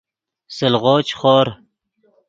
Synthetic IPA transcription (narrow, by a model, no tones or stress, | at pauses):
səlʁoːt͡ɕχoːɾ